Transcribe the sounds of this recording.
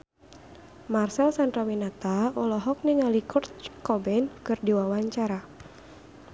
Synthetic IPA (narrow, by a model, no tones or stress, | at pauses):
marsɛlsandrawinat̪aɔlɔɦɔk̚niŋalikʰɔrt̪kɔbɛnkɨrdiwawaɲt͡ʃaɾa